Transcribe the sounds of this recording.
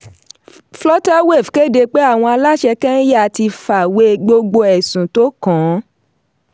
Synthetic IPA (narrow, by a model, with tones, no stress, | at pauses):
flɔ˦ta˦we˦˨fke˦˨de˧k͡pe˦a˦˨w̃ɔ̃˧a˧la˦ʃɛ˧kɛ̃˦ja˦a˨ti˧fa˨we˦ɡ͡bo˧ɡ͡bo˧ɛ˨sũ˨to˦kã˨˦